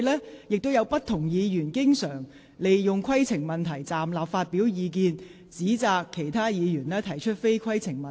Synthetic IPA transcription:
lɛː˥jɪ˨k̚t̪o˥wjɐ˧wpɐ˥t̪ʰːʊ˨˩ŋjiː˨˧jyː˨˩nkɪ˥ŋsœː˨˩ŋ | le˨jjʊ˨ŋkʷʰwɐ˥jt͡sʰɪ˨˩ŋmɐ˨˩nt̪ʰɐ˨˩jt͡saː˨mlaː˨˩p̚faː˧t̚piː˨˥wjiː˨˧k̬iː˧n | t͡siː˨˥t͡saː˨˧kʰːe˨˩jt̪ʰaː˥jiː˨˧jyː˨˩nlɛː˥t̪ʰɐ˨˩jt͡ʃʰɵ˥t̚fe˥jkʰɐ˥jt͡sʰɪ˨˩ŋmɐ˨

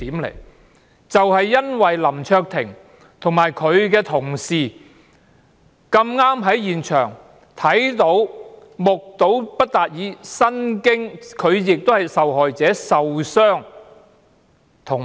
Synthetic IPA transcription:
t̪iː˨˥mlḛ˨˩j | t͡sɐ˨whɐ˨jːɐ˥nwɐ˨jlɐ˨˩mt͡ʃʰœː˧k̚t̪ʰɪ̰˨˩ŋ | t̪ʰʊ˨˩ŋmaː˨˩jkʰɵ˨˧ɥkɛː˧t̪ʰʊ˨˩ŋsiː˨ | kɐ˧mŋaː˥mɦɐ˨˥jjiː˨nt͡ʃʰœ̰ː˨˩ŋ | t̪ʰɐ˨˥jt̪o˨˥w | mʊ˨k̚t̪o˨˥wpɐ˥t̚t̪aː˨t̚jiː˨˧sɐ˥nkɪ˥ŋkʰɵ˨˧ɥjɪ˨k̚t̪o˥hɐ˨jsɐ˨wɦɔː˨jt͡sɛː˨˥sɐ˨wsœː˥ŋ | t̪ʰʊ˨˩ŋ

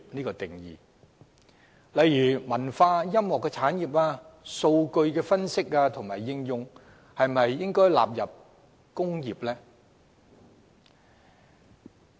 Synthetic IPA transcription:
niː˥kɔː˧t̪ɪ˨ŋjḭː˨˩ | lɐ˨˧jɥyː˨˩mɐ˨˩nfaː˧jɐ˥mhɔː˨kːɛː˧t͡sʰaː˨˥njiː˨˩p̚aː˧so˧wkɵ˧ɥkɛː˧fɐ˥nsɪ˥k̚aː˧t̪ʰʊ˨˩ŋmaː˨˩jːɪ˧ŋjʊ˧ŋ | hɐ˨jmɐ˨jːɪ˥ŋkɔː˥jla̰ː˨p̚jɐ˨p̚ | kʊ˥ŋjiː˨p̚lɛː˥

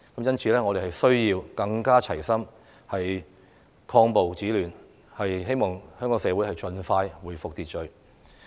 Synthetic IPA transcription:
kɐ˨˥mjɐ˥nt͡sʰiː˨˧lɛː˥ŋɔː˨˧d̪e˨˩hɐ˨˩jsɵ˥ɥjiː˧wkɐ˧ŋkaː˥t͡sʰɐ˨˩jsɐ˥m | hɐ˨j | kʰɔː˧ŋpo˨wt͡siː˨˥lyː˨˩n | hɐ˨jhe˥jmɔː˨˩ŋhœː˥ŋkɔː˨˥ŋsɛː˨˧wuː˨˥jhɐ˨jt͡ʃɵ˧nfaː˧jwuː˨˩jfʊ˨k̚t̪iː˨t̚t͡ʃɵ˨ɥ

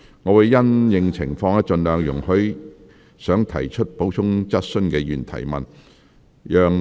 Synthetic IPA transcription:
ŋɔː˨˧wu˨˩jjɐ˥njɪ˨ŋt͡sʰɪ̰˨˩ŋfɔː˧ŋɐ˧˥t͡ʃɵ˧nlœː˨˧ŋjʊ˨˩ŋhɵ˨˥ɥ | sœː˨˥ŋt̪ʰɐ˨˩jt͡ʃʰɵ˥t̚po˨˥wt͡ʃʰʊ˥ŋt͡sɐ˥t̚sɵ˥nkɛ˧jyː˨˩nt̪ʰɐ̰˨˩jmɐ̰˨n | jœː˨ŋ

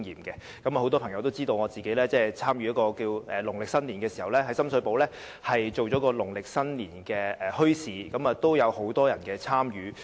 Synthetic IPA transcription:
ŋjiː˨mkɛ˧ | kɐ˨˥mɐ˨˧ho˨˥wt̪ɔː˥pʰɐ˨˩ŋjɐ˧wt̪o˥wt͡siː˥t̪o˧wŋɔː˨˧t͡siː˨ke˨˥jlɛː˥t͡sɛː˥˩t͡sʰaː˥mjyː˨˦jɐ˥tkɔː˧kiː˧wʔɛː˨˩lʊ˨˩ŋlɪ˨k̚sɐ˥nliː˨˩nkɛː˧si˨˩hɐ˨˩wlɛː˥ɦɐ˨˥jsɐ˥msɵ˨˧ɥpo˨˥wlɛː˥ | hɐ˨jt͡ʃo˨wt͡ʃɔː˨˥kɔː˧lʊ˨˩ŋlɪ˨k̚sɐ˥nliː˨˩nkɛː˧ɛː˨hɵ˥ɥsiː˨˧kɐ˨˥mɐː˨t̪o˥wjɐ˨˧who˨˥wt̪ɔː˥jɐ˨˩nkɛː˧t͡sʰaː˥mjyː˨˧

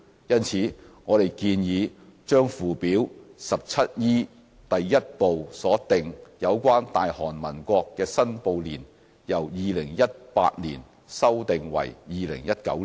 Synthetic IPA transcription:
jɐ˥nt͡sʰiː˨˥ŋɔː˨˧ɾe˨jkiː˧njiː˨˧ | t͡ʃœː˥ŋfuː˨piː˨˥wsɐ˨p̚t͡sʰɐ˥t̚jiː˥ | t̪ɐ˨jːɐ˥t̚po˨wsɔː˨˥t̪ɪ˨ŋjɐ˨˧wkʷaː˥nt̪aː˨jhɔː˨˩nmɐ˨˩nkʷɔː˧kːɛː˧sɐ˥npo˨˧wliː˨˩n | jɐ˨˩wjiː˨˧lɪ˨˩ŋjɐ˥t̚pa̰ː˧t̚liː˨˩n | sɐ˥wt̪ɪ˨ŋwɐ̰˨˩jjiː˨˧lɪ̰˨˩ŋjɐ˥t̚kɐ̰˨˥w

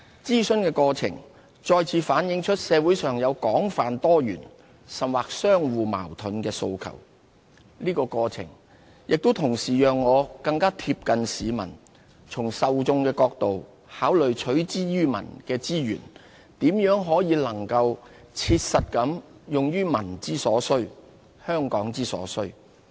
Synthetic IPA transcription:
t͡siː˥sɵ˥nkɛː˧kɔː˧t͡sʰɪ̰˨˩ŋ | t͡ʃɔː˧jt͡sʰiː˨˧faː˨˥njɪ˨˧ŋt͡ʃʰɵ˥t̚sɛː˨˧wu˨˥jsœː˨ŋjɐ˨˧wkɔː˨˥ŋfaː˨nt̪ɔː˥jyː˨˩n | sɐ˨mwaː˨k̚sœː˥ŋwuː˨ma̰ː˨˩wt̪ʰɵ˨˥nkɛː˧so̰˧wkʰɐ̰˨˩w | liː˥kɔː˧kɔː˧t͡sʰɪ̰˨˩ŋ | jʔɪ˨k̚t̪o˥wt̪ʰʊ˨˩ŋsiː˨˩jœː˨ŋːɔː˨˧kɐ˧ŋkaː˥t̪ʰiː˧p̚kɐ˨nsiː˨mɐ̰˨˩n | t͡sʰʊ˨˩ŋsɐ˨wt͡sʊ˧ŋkɛː˧kɔː˧k̚t̪o˨w | haː˨˥wlɵ˨ɥt͡ʃʰɵ˨˥ɥt͡siː˥jyː˥mɐ̰˨˩nkɛː˧t͡siː˥jy̰ː˨˩n | t̪iː˨˥mjœː˨˥ŋɦɔː˨˥jiː˨˧lɐ˨˩ŋkɐ˧w | t͡sʰiː˧t̚sɐ˨t̚kɐ˨˥mjʊ˨ŋjyː˥mɐ˨˩nt͡siː˥sɔː˨˥sɵ˥ɥ | hœː˥ŋkɔː˨˥ŋt͡siː˥sɔ̰ː˨˥sɵ˥ɥ

